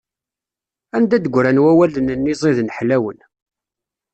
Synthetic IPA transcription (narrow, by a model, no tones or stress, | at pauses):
ænd̪æd̪əɡʷɾænwæwælənənːizˤiðnħlæwən